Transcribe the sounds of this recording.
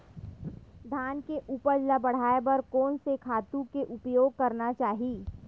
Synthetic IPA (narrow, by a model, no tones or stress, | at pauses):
d̪ʱaːnkeʔuːpəɾd͡ʒlabɐɽ̤aːebɐɾkɔːnsekʰaːt̪ũkeʔʊpjoːɡ̚kɐɾnat͡ʃaːɦiː